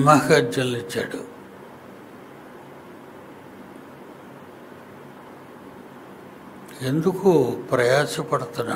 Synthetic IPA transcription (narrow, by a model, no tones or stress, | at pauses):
maːɡad͡ʒjɐlːit͡ʃːa̰ːɽu | e̞nd̪ukupɾɐjaːsɐpɐɽut̪unːa̰